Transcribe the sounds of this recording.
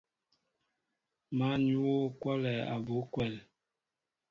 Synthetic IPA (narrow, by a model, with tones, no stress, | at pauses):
ma˨˦ɲu˦wo˦kwa˦lɛ˨a̰˨bo˨˦kwɛ˦˨l